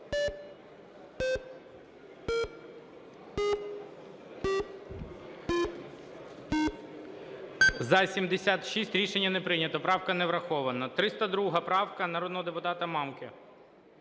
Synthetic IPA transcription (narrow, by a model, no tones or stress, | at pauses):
zɐsʲimd̪esʲat̪ʃisʲtʲɾʲiʃenʲːɐnɛpɾɪnʲɐt̪ɔpɾɑwkɐnɛʋɾɐxɔʋɐnɐt̪ɾɪst̪ɐd̪ɾuɦɐpɾɑwkɐnɐɾɔd̪nɔɦɔd̪epʊt̪ɑt̪ɐmɑmkɪ